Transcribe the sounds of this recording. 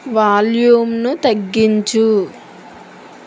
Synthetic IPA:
ʋaːljuːmnut̪ɐɡːiɲt͡ʃu

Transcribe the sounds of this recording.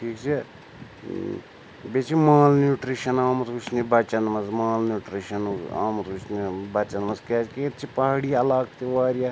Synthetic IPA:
ʈʰiːkt͡ʃʰe | bet͡ʃʰimaːlnuːʈɾiʃɐnaːmɐt̪ut͡ʃʰnibɐt͡ʃɐnmɐzmaːlnjuːʈɾiʃɐna̰ːmɐt̪ut͡ʃʰnibɐt͡ʃɐnmɐzkeːt͡ʃket̪t͡ʃʰipɐɦɽijɐlaːkt̪iʋaːɾja

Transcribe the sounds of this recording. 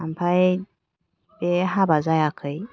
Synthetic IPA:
ampʰaj | beɦabazajakʰəj

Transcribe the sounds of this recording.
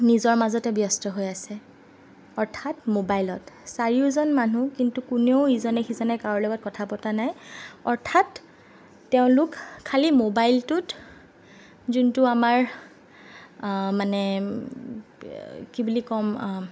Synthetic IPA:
nizɔɹmazɔtɛbjɔstɔɦojasɛ | ɔɹtʰatmobajlɔtsaɹiʊzɔnmanukintukuneʊizɔnɛxizɔnɛkaɔɹlɔɡɔt̚kɔtʰapɔtanajɔɹtʰatː | eʊ̃lʊkʰːalimobajltʊt | zuntuamaɹ | manɛ | kibulikɔm

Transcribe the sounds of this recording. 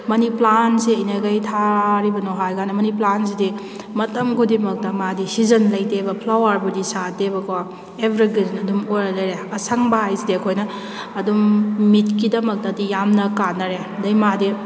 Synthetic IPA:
mɐniplanseɐnɐɡɐjtʰaɾibɐnoɦajɡanɐmɐniplansidi | mɐtɐmɡudimɐk̚tɐmadisizɐnlɐjtebɐpʰlawɐɾbudisatebɐka | ebʱɾiɡiznɐdumojɾɐlɐjɾeɐsɐŋbɐɦajsidiɐkʰojnɐː | dummitkidɐmɐk̚tɐdijamnɐkanːɐɾe | dɐjmadi

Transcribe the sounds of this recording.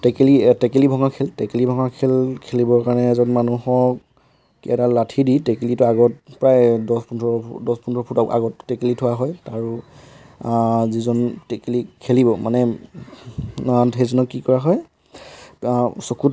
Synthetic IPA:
tɛkelitɛkelibʱɔŋakʰeltɛkelibʱɔŋakʰelkʰelibɔɹkaɹnɛzɔnmanuɦɔk | kiɛtalatʰiditɛkelitʊaɡɔt̚pɹajdɔspundɔdɔspundʰɔpʰutɔa̰ɡɔtːɛkelitʰʊwaɦɔjtaɹu | zizɔntɛkelikʰelibɔmanɛ | atɦezɔnɔkːikɔɹaɦɔj | sokut

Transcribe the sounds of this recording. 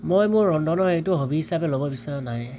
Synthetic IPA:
mojmʊɹːɔndɔnɔɹejtʊɦobiɦisapɛlobɔbisaɹɔnaj

